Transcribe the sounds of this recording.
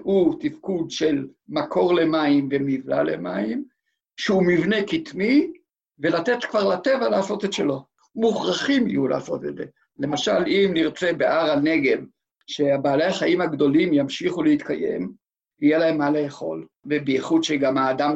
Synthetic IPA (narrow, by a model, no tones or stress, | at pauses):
ut̪ifkud̪ʃe̞lmakʰo̞ʁle̞maimvemivla̰lḛma̰im | ʃeumivnekit̪mi | ve̞lat̪e̞t̪kvaʁlat̪e̞valaːso̞t̪etʃelo̞ | muχʁaχimḭjula̰ːso̞̰t̪etze | le̞maʃalimniʁt͡sebeʔaʁane̞ɡe̞m | ʃeabaːlejaχaʔimaɡd̪o̞limjamʃiχuleit̪kaje̞̰m | hijelae̞mːaleːχo̞̰lvebeiχud̪ʃeɡamaːd̪am